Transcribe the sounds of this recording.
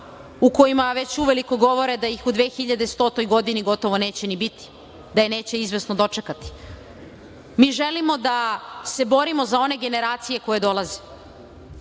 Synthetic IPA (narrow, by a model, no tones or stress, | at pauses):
uko̞imaʋe̞t͡ɕuʋe̞liko̞ɡo̞ʋo̞ɾed̪ajixud̪ʋeːxiʎad̪e̞st̪o̞ːt̪o̞jɡo̞d̪iniɡo̞t̪o̞ʋo̞ne̞ːt͡ɕe̞nibit̪i̥ | d̪aje̞ne̞ːt͡ɕe̞izʋe̞snod̪o̞t͡ʃekat̪i̥ | miːʒe̞limo̞d̪ase̞bo̞ɾimo̞zao̞ne̞ɡe̞ne̞ɾaːt̪sije̞ko̞je̞d̪o̞lˠaze